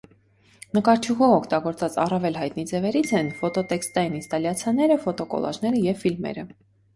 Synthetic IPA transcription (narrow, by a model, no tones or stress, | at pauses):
nəkɑɾt͡ʃʰuʁɔvɔkʰt̪ɑɡɔɾt͡sɑt͡sɑ̰rɑvɛlɦɑjt̪nid͡zɛvɛɾit͡sʰɛnfɔt̪ɔt̪ɛkst̪ɑjinist̪ɑljɑt͡sʰjɑnɛɾəfɔt̪ɔkɔ̰lɑ̰ʒnɛɾəjɛvfilmɛ̰ɾə